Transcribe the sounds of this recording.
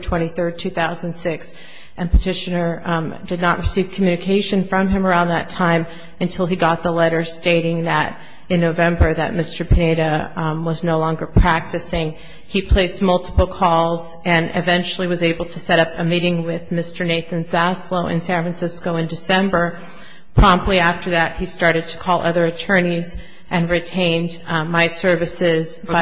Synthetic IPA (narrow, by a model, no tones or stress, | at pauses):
tʰw̥ɛ̃ɾ̃iθɜ˞d̚tʰʉθaʊznsɪks | ʔɨ̃npʰɨtʰɪʃɨnə˞dɨdⁿnəʔ̚ɹʔɨsiv̥kʰmjʉnɨkʰeɪʃɨ̃nfɹʌ̃mɨ̃mə˞ãʊ̃nðɨtʰãɪ̃m | ɨ̃ntʰɪlˠiɡɑt̪̚ðəlɛɾə̥˞steɪɾɪ̃ŋðɨɾ | ɨ̃nːoʊvɛ̃mbə˞ðɨ̰t̚mɪstə˞pʰɨneɪɾɨwʌznoʊlɔ̃ŋɡə˞pʰɹ̥æk̚tɨsɪ̃ŋ | ipʰl̥eɪsmʌlˠtə̥pl̩ˠkʰɔlˠz | ɨ̃nɪ̰vɛ̃nt͡ʃl̩ˠiwʌzeɪbl̩ˠtʰɨsɛɾʌpɨmiɾɪ̃ŋwɪðmɪstə˞neɪθɨ̃nzæsloʊʔɨ̰̃nsæ̃nfɹɨnsɪskoʊɨ̃ndɨsɛ̃mbə˞ | pʰɹ̥ɑ̃mp̚tˡliæftə˞ðɨt̚histɑɹɾɨd̚tʰə̥kʰɔlˠʔʌðə˞ɨtʰɜ̃˞niz | ʔɨ̃nɹitʰẽɪ̃nmaɪsɜ˞vɨsɪz